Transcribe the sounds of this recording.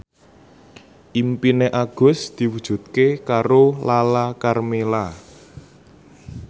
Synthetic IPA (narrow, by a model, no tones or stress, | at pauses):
ʔimpineʔaɡ̥ʊ̤sd̪̥i̤wud̥ʒ̥ṳt̪̚kekaɾolalakarmela